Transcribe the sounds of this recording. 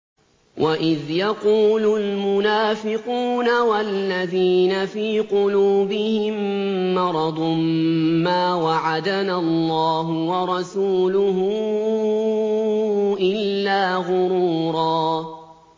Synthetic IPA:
wʔaʔɪðjaquːlʊlmʊnaːfɪquːnawalːaðiːnafiːqʊluːbɪhɪmːɑɾˤɑd̪ˤʊmːaːwaʕad̪analːɑːɦʊwɑɾˤɑsuːlʊɦʊ | ʔɪlːaːɣʊɾuːɾˤɑː

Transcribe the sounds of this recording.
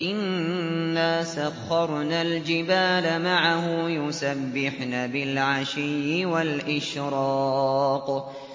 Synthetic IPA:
ʔɪnː | aːsaɣːɑɾˤnaːld͡ʒɪbaːlamaʕahʊjʊsabːɪħnaːbɪlʕaʃɪjːɪwalʔɪʃɾɑːq

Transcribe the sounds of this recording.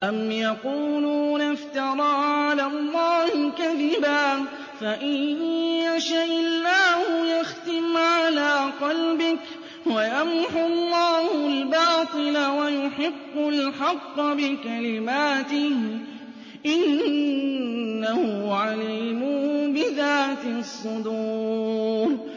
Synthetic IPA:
ʔamjɑquːluːnaft̪ɑɾˤɑːʕalaːlˤːɑːhɪkaðɪbaː | faʔɪː | aʃaʔɪlːaːhʊjaxt̪ɪmʕalaːqɑlbɪk | wajamħʊlˤːɑːhʊlbɑːt̪ˤɨlawajʊħɪbːʊlħɑqːɑbɪkalɪmaːt̪ɪh | ʔɪn | ahʊʕalɪmʊbɪðaːt̪ɪsˤːʊd̪uː | ɾ

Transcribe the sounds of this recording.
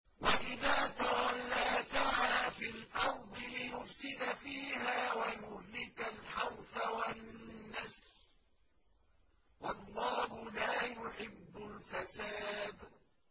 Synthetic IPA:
waʔɪðaːt̪awalːaːt̪ahaːfiːlʔɑɾˤd̪ˤɨlɪjʊfsɪd̪afiːɦaːwajʊhlɪkalħɑɾˤfawanːas | wɑlˤːɑːhʊlaːjʊħɪbːʊlfasaːd̪

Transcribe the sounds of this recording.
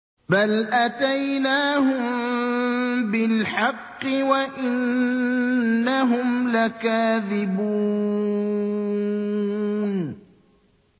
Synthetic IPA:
balʔat̪ajnaːɦʊm | bɪlħɑqːɨwaʔɪn | aɦʊmlakaːðɪbuː | n

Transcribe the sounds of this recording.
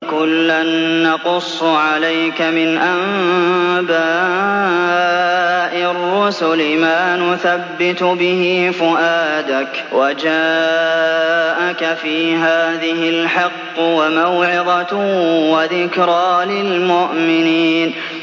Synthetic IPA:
kʊlːanːɑqʊsˤːʕalajkamɪnʔam | baː | ʔɪrːʊsʊlmaːnʊθabːɪt̪bɪhɪːfʊʔaːd̪ak | wad͡ʒaː | ʔakafiːɦaːðɪɦɪlħɑqːwamawʕɪd̪ˤɑwaðɪkɾˤɑːlɪlmʊʔmɪniːn

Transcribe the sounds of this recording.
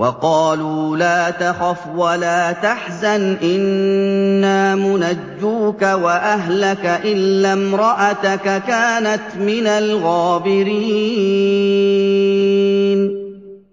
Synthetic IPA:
wɑqɑːluːlaːt̪axafwalaːt̪aħzanʔɪnː | aːmʊnad͡ʒːuːkawaʔaɦlakaʔɪlːaːmɾˤɑʔat̪akakaːnat̪mɪnalɣaːbɪɾiː | n

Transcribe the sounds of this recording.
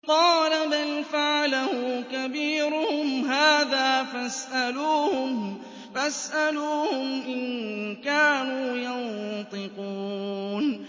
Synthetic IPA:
qɑːlabalfaʕalahʊkabiːɾʊhʊmhaːðaːfasʔaluːhʊm | fasʔaluːhʊmʔɪnkaːnuːjɑnt̪ˤɨquːn

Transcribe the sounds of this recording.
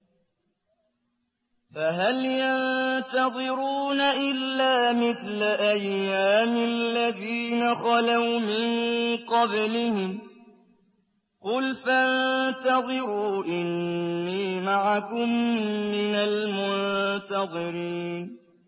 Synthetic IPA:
faɦaljant̪ɑðˤɨɾuːnaʔɪlːaːmɪθlaʔajːaːmɪlːaðiːnaxɑlawmɪnqɑblɪhɪm | qʊlfant̪ɑðˤɨɾuːʔɪnːiːmaʕakʊmːɪnalmʊnt̪ɑðˤɨɾiːn

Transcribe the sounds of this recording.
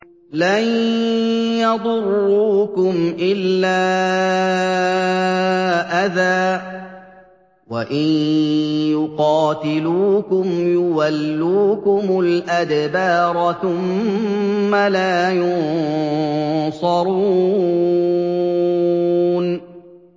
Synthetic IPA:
lan | jɑðˤʊrˤːuːkʊmʔɪlːaː | ʔaðaː | waʔɪnjʊqɑːt̪ɪluːkʊmjʊwalːuːkʊmʊlʔad̪bɑːɾˤθʊmː | alaːjʊn | sˤɑɾˤu | n

